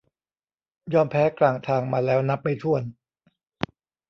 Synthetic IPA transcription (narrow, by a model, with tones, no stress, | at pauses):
jɔː˧mpʰɛː˦˥klaː˨˩ŋt̪ʰaː˧˩ŋmaː˧lɛː˦˥wna˦˥p̚ːa˧˩jt̪ʰu˥˩ən